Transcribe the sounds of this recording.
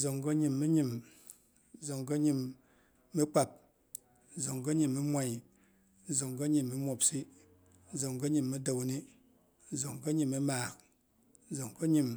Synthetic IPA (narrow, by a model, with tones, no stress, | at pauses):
zo˨ŋko˦ɲi˨mːi˦ɲi˨m̩˦ | zo˨ŋko˦ɲi˨mː | i˦k͡pa˨p̩̚˦ | zo˨ŋko˦ɲi˨mːi˦mʷa˨i˨ | n̩˦zo˨ŋɡko˦ɲi˨mːi˨˦mʷo˨psi˦ | n̩˦zo˨ŋko˦ɲi˨mːi˦do˨wni˦ | zo˨ŋko˦ɲi˨mi˦maː˨k̩̚˦ | zo˨ŋko˦ɲi˨m